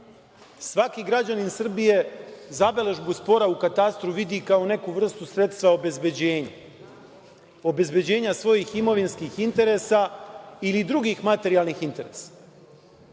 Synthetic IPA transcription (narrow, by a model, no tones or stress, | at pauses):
sʋakiɡɾad͡ʑaninsr̩bije̞zabe̞le̞ʒbuspo̞ɾaukat̪ast̪ɾuʋid̪ikao̞ne̞kuʋr̩st̪usɾe̞t̪st̪ʋao̞be̞zbe̞d͡ʑe̞ːɲa | o̞be̞zbe̞d͡ʑe̞ːɲasʋo̞jiximo̞ʋinskixint̪e̞ɾe̞sailid̪ɾuɡixmat̪e̞ɾialˠnixint̪e̞ɾe̞ːsḁ